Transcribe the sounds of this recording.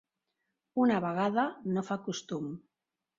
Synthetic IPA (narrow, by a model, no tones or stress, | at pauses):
unaβaɣaðanofakust̪um